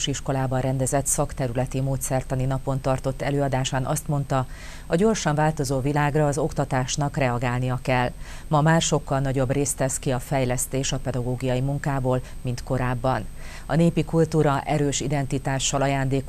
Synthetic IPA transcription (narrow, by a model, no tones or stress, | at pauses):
ʃiʃko̞laːbɒnrɛnd̪ɛzɛt̪sɒkt̪ɛɾylɛt̪imoːt̪sɛrt̪ɒninɒpo̞nt̪ɒrt̪o̞t̪ːɛløːɒd̪aːʃaːnʔɒst̪mo̞n̪t̪ɒ | ɒɟo̞rʃɒɱvaːlt̪o̞zoːvilaːɡrɒːzo̞kt̪ɒt̪aːʃnɒkrɛɒɡaːlnijɒkɛlː | mɒmaːrʃo̞kːɒlnɒɟo̞breːst̪ɛskiɒfɛjlɛst̪eːʃɒpɛd̪ɒɡoːɡijɒjimuŋkaːboːl | mint̪ko̞ɾaːbːɒn | ɒ̰neːpikult̪uːɾɒʔɛɾøːʃid̪ɛnt̪it̪aːʃːɒlɒjaːnd̪eːk